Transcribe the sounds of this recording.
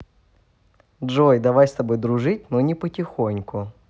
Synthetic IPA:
dʐojd̪ɐvajst̪ɐbojd̪ɾʊʐɨtʲnonʲɪpətʲɪxonʲkʊ

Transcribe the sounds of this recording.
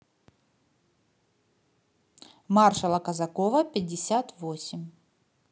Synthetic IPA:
marʂɐlˠɐkɐzɐkɔvɐpʲɪdʲːɪsʲat̪vosʲɪmʲ

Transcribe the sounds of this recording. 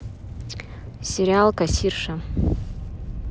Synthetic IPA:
sʲeɾʲialˠkasʲirʂa

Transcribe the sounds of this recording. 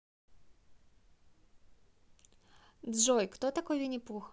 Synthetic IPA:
d̪ʐɔjkt̪ɔt̪akɔjinʲipux

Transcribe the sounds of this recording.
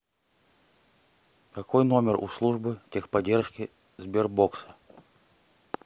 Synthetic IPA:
kɐkojnomʲɪrṵslˠuʐbɨtʲexpɐdʲerʂkʲɪ | zʲbʲerboksə̥

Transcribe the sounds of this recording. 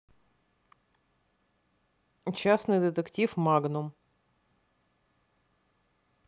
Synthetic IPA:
t͡ɕasnɨjd̪ɨt̪ɨktʲifmaɡnʊm

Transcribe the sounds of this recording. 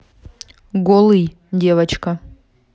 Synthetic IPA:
ɡolˠɨj | dʲevɐt͡ɕkɐ

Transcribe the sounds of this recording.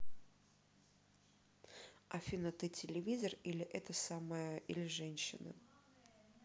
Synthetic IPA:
ɐfʲinət̪ɨtʲɪlʲɪvʲizərilʲɪʔɛt̪əsaməjəʔilʲɪʐɛnʲɕːɪnɨ̰

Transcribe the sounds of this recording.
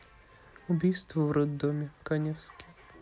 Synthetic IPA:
ʊbʲijst̪vəvɾɔd̪ːomʲɪkanʲefskʲɪj

